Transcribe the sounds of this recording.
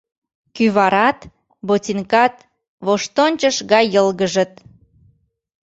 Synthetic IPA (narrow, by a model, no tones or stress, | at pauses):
kyβɑɾɑt̪ | botʲiŋkɑt̪ | βoʃt̪onʲt͡ɕəʃɣɑjəlɣəʒə̆t̪̚